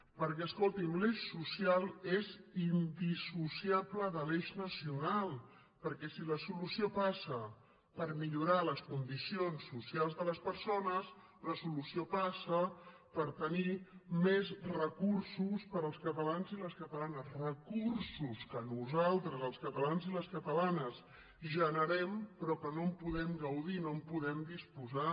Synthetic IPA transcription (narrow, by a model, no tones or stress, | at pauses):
pəɾkɛəskolˠt̪imleʃsusijalˠezind̪isusiabləðəleʃnəsiunalˠ | pəɾkɛsiləsulusiopasə | pəɾmiʎuɾaləskund̪isionsːusialˠzðələspəɾsonəs | ləsulusiopasəpəɾt̪ənimezrəkuɾsuspəɾəlˠskət̪əlanziləskət̪əlanəsrəkursuskənuzalˠt̪ɾəzəlˠskət̪əlanziləskət̪əlanəz | ʒənəɾɛmpɾɔkənompuðɛmɡəwðinompuðɛmd̪ispuza